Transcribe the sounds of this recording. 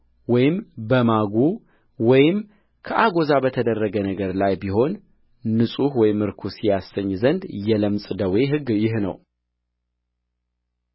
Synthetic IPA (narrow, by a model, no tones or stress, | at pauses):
wɔjɪmbəmaɡu | wɔjɪm | kʰəʔaɡo̞zabət̪ʰəd̪ərːəɡənəɡəɾlajbiɦo̞nː | ɨsʼuhwɔjɪmɨɾkʰusijasːəɲːzənd̪jɛləmsʼd̪əwe̞ɦɨɡːjɪhnə̰w